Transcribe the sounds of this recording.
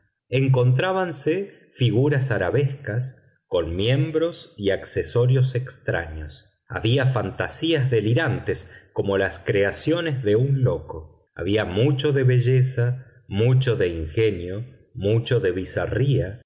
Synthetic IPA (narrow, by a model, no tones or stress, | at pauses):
eŋk̬o̞nt̪ɾaβanse | fiɣuɾasaɾaβeskas | ko̞nmjẽ̞mbɾo̞siakseso̞ɾjo̞sekst̪ɾa̰ɲos | a̰βiafant̪asiazðe̞liɾant̪eskomo̞laskɾeasjo̞nezðe̞unlo̞ko̞ | a̰βiamut͡ʃo̞ðe̞βe̞ʒesa | mut͡ʃo̞ðe̞iŋxe̞njo̞ | mut͡ʃo̞ðe̞β̞isa̰ria